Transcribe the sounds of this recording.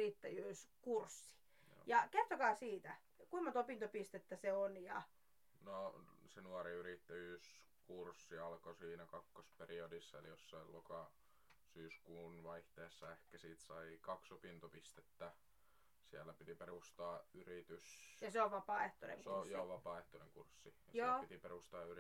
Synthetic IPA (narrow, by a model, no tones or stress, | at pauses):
rit̪ːæjyːskursːi̥ | jɑkert̪okɑːsiːt̪æ | kuimɑt̪opint̪opist̪et̪ːæseonjɑ | nosenuɑriyrit̪ːæjyːs | kursːiɑlkosiːnækɑkːosperiodisːɑḛlijosːɑilokɑ | syːskuːnʋɑiht̪eːsːɑehkæsiːt̪sɑikɑksopint̪opist̪et̪ːæ | siælːˑæpit̪iperust̪ɑːyrit̪ysjɑseoʋʋɑpɑːˑeht̪onḛŋkuorsːjɑoʋʋɑpɑːeht̪onḛŋkursːijɑsoːpit̪iperust̪ɑːyr